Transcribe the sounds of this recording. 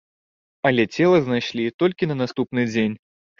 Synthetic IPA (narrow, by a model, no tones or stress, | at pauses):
ɐlʲɛt͡sʲɛlˠɐznajʂlʲit̪ɔlʲkʲinɐnast̪upnɨd͡zʲenʲ